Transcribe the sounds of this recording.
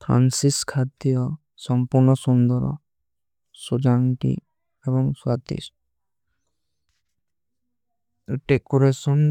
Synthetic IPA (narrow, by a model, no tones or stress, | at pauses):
pʰɾa̰nsiskʰat̪ijɔ | sɔmpuɾnɔsund̪ɔɾɔ̰ | sod͡ʒaŋʈḭ | ebɔŋsat̪ḭs | ʈekuɾesɔn